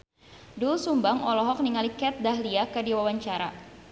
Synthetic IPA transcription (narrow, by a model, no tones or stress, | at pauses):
dulsumbaŋɔlɔɦɔk̚niŋalikɛt̪̚daɦliakədiwawaɲt͡ʃaɾa̰